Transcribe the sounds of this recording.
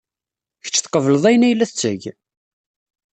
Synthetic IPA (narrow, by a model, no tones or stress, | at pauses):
çə̥t͡ʃːθqəvələðˤæjnæjəlːæθət͡sːəʝ